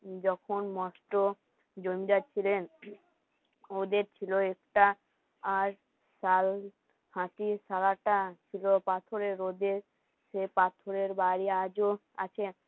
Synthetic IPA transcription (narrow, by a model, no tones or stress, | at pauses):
d͡ʑɔkʰonmɔsʈo | d͡ʑoɾmiɾat͡ɕʰilen | od̪eɾt͡ɕʰiloekʈaː | ɾ | sal | hãʈisalaʈat͡ɕʰilopat̪ʰoɾeɾod̪eɾ | sepat̪ʰoɾeɾbaɾiad͡ʑo | a̰t͡ɕʰe